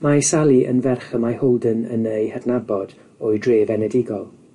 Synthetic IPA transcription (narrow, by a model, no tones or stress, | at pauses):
majsalˠiʔə̰nvɛrχəmahɔlˠdənə̰nejhədnabɔd̥ | ɔːɨdreːvɛnɛdɪɡɔlˠ